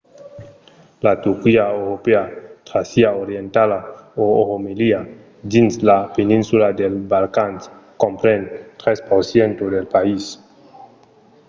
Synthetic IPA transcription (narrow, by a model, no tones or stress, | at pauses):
lat̪uɾkiaewɾopeat̪ɾasiaoɾjent̪alaoohomelia | d̪inslapenĩnsulad̪elbalkanskompɾent̪ɾespoɾsjent̪od̪elpais